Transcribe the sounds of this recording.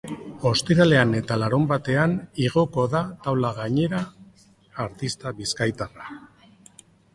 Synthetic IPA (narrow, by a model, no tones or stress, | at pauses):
o̞st̪iɾale̞ane̞t̪alaɾumbat̪e̞aniɣ̞o̞ko̞ðat̪awlaɣaɲe̞ɾaː | ɾt̪ist̪aβiskajt̪ara